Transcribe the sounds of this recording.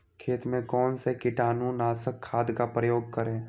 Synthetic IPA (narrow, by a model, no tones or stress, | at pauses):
kʰeːt̪mẽkɔːnsekɪʈaːnũnaːsəkʰːaːd̪kapɾəjoːɡ̚kəɾẽː